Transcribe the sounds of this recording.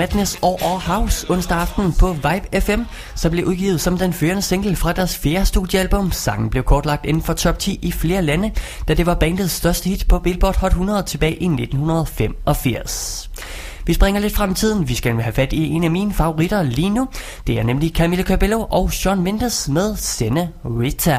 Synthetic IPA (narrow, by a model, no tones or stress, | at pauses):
mæd̥nesɒʔɒhɑ̈ʊsɔ̽nsd̥ɐɑ̈fd̥n̩pʰɒ̽ʋɑ̈ɪb̥efem̰ | sɒ̽mb̥le̝ʔuðˠɡ̥ḭːʊð̩ˠsɒ̽md̥enføːɐnəse̝ŋ̰ɡ̥l̩fʁɑ̈d̥æɐsfe̝ːɐsd̥ṵðˠjəælb̥ɔ̽msɑ̈ŋ̰n̩b̥le̝ʊkʰɒːd̥lɑ̈ɡ̥̚d̥e̝nn̩fɒ̽t͡sʰɒ̽b̥t͡sʰḭːifle̝ːɐlænəd̥æd̥e̝ʋɑ̈b̥ɛnd̥ð̞̩ˠsːd̥ɶɐsd̥əhid̥pʰɒ̽b̥e̝lb̥ɒ̰d̥hɒ̽l̥hunɐð̩ˠt͡sʰe̝b̥ɛ̰ːɪʔine̝d̥n̩hunɐð̞̩ˠfem̰ɒ̽fiɐ̰s | ʋisb̥ʁɛŋɐle̝d̥fʁam̰t͡sʰið̞̰ˠn̩ʋisɡ̥æɦæfæd̥ie̝næmiːnəfɑ̈o̝ʁid̥ɐliːnu | d̥e̝æɐnemlikʰæmilækʰæbeloʔɒ̽ʊɕɒnme̝nd̥əsmeðˠsenəʁit͡sʰæ